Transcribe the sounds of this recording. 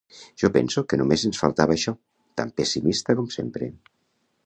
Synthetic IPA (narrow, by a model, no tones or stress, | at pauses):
ʒ̥ɔpɛ̰nsukənumezənsfa̰lˠt̪aβaːʃɔ | t̪a̰mpesimist̪əkomsempɾe